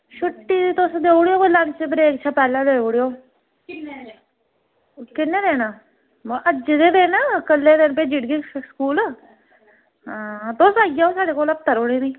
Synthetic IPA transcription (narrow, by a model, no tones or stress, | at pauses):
ʃʰʊʈːiːt̪ʊsd̪eːʊɽjoːkolant͡ʃebəɾeːkt͡ʃʰaːpɛːlãːd̪eːoɽjoː | kɪnːeːd̪eːnaː | moʔəd͡ʒd̪eːd̪eːnaːkəlːeːd̪ɪnpeːd͡ʒiʈɡiskuːlː | ɦãːt̪osaːɡijaːõːsaːɽeːkoːləp̚t̪əɾoːɽeːnĩː